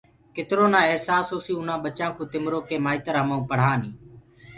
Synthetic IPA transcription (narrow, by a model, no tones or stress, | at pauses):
kɪt̪ɪɾoːnãːeɦsaːsoːsĩːʊnãːɓət͡ʃãːkõːt̪ɪmɾoːkeːmaːɪt̪əɾɦəmaũːpəɽ̤aːniː